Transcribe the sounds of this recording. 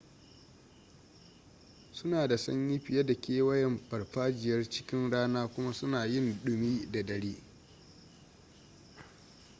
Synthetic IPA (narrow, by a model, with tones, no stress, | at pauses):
sʊ˦naː˨da˨sɐ̰˦ɲji˦ɸɪ˨jɐ˦da˨kʲeː˦wɐ˦jɛ˨mɸɐ˨rɸaː˦d͡ʒɪ˨jɐ˦rt͡ʃɪ˦kʲɪ˦nɽaː˦naː˦kʷʊ˦ma˦sʊ˦naː˨jɪ˦nɗʊ˨miː˦da˨dɐ˨ɽiː˦